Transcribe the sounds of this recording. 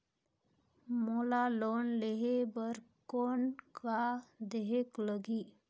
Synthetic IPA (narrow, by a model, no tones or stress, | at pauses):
molalonleɦebəɾkonkad̪eɦekləɡiː